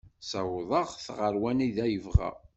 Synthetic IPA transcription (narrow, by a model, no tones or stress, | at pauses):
sɑwðˤɑʁθʁəɾwæniðæjəvʁæ̰